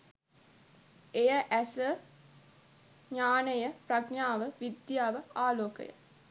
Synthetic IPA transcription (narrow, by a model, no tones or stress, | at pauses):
ejəʔæsə | ɲaːnəjəprɐɡnaːʋəʋid̪jaːʋəaːloːkə̰jə̰